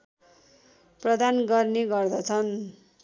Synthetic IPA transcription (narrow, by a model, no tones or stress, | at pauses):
prʌd̪anɡʌrneɡʌrd̪ʌt͡sʰʌn